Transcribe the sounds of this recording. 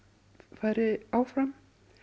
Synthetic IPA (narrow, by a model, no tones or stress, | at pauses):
faðɾɪaːwfɾam